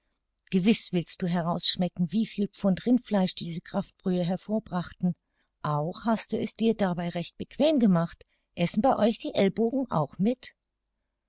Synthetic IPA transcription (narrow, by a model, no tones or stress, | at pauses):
ɡ̥əvɪsv̥ɪlst̚d̥uːɦɛʁ̞aʊsʃmɛkŋ̩viːfiːlpp͡fʊntʁɪnflaɪʃd̥iːzəkʁ̥aft̚b̥ʁyːəɦɛɐfoːɐbʁaχtn̩ | ʔaʊxhast̚d̥uːɛsd̥iːɐdabaɪʁɛçt̚b̥əkv̥eːmɡəmaχt | ʔɛsn̩baɪʔɔʏçd̥iːʔɛlboːɡŋ̩ʔa̰ʊxmɪt